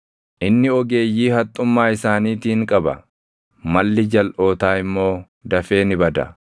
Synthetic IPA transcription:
ʔɪnːɪɔɡe̞ːjːiːhɐt̪ʼːʊmːaːɪsaːniːt̪iːŋkʼɐbɐ̰ | mɐlːɪd͡ʒɐlʔo̞ːt̪aːɪmːo̞ː | d̪ɐfe̞ːnɪbɐd̪ɐ̰

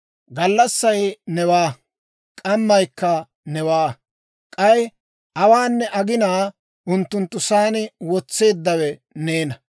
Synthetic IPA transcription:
ɡɐlːɐsːɐjnɛwaː | kʼɐmːɐjkːɐ | nɛwaː | kʼɐj | ɐwaːnːɛʔɐɡɪnaː | ʔʊnt̪ːʊnt̪ːʊsaːnɪwɔt͡sːe̞ːd̪ːɐwɛneːnɐ

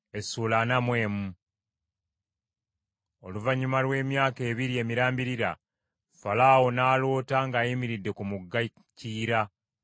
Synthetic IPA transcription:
e̞suːlanamwe̞ːmu | o̞luvaɲumalwe̞ːmjaːke̞ːβiɾie̞ːmiɾaːmbiɾiɾa̰ | falaːwo̞naːlo̞ːtaŋɡaːjimiɾidːe̞kumuɡːa | ciːɾa

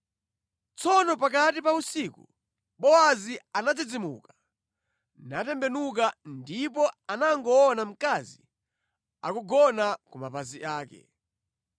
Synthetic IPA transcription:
t͡sɔnɔpak̬atipausikṵ | ɓɔazianad͡zid͡zimṵkḁ | natɛmbɛnuk̬andipɔanaŋɡɔːnam̩kazi | a̰kuɡɔnakumapaziʔaːkɛ̰

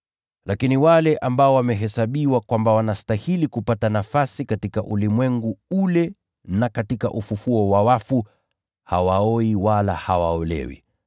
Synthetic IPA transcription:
lakiniwalɛʔambaɔwamɛɦɛsaɓiwakwambawanastahilikupatanafasikatikaʔulimwɛŋɡuulɛ | nakatika̰ʔufufuɔwawafu | hawaɔiwalahawaɔlɛ̰wḭ

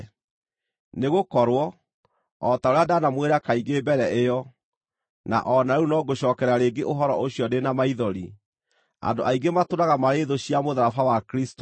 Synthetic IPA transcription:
neɣokɔɾwɔ | ɔtaoɾeadanamweɾakaiɡebɛɾɛʔejɔ | na̰ʔɔnaunɔɡoɕɔːkɛɾaɾeɡeʔoɦɔɾɔ̰ʔoɕiɔdenamaiðɔɾi | a̰ndoʔaiɡematoɾaɣamaɾeðoɕiamoðaɾafawakɾist

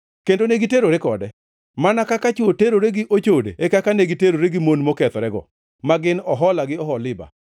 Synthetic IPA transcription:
kendoneɡiteɾoɾekɔdɛ | manakakat͡ʃuoteɾoɾeɡɪʔot͡ʃodḛekakaneɡiteɾoɾeɡɪmonmokɛt̪ɔɾɛɡɔ̰ | maɡɪnɔɦɔlaɡɪɔɦɔlɪba̰

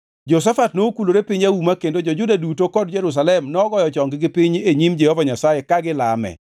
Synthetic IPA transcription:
d͡ʒɔs̬afatnokuloɾepɪɲaumakendod͡ʒɔd͡ʒʊdadutokɔd̚d͡ʒɛɾus̬alɛmnɔɡɔjɔt͡ʃɔŋɡɪɡɪpɪɲeɲimd͡ʒɛhɔvaɲasajekaɡɪla̰mɛ̰

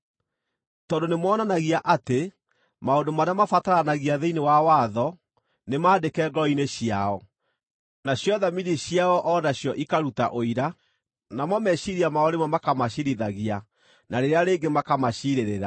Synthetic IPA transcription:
tɔndonemwɔːnanaɣiaʔate | maondomaɾamafataɾanaɣiaðeinewawaðɔ | nemaːdekɛːɡɔineɕiaɔ | naɕjɔðamiðiɕjaɔʔɔnaɕjɔʔikaɾuta̰ʔoiɾa | namɔmɛɕiɾiamaɔɾemwamakamaɕiɾiðaɣia | naɾeɾeaɾeːɡemakamaɕiɾeɾeɾa

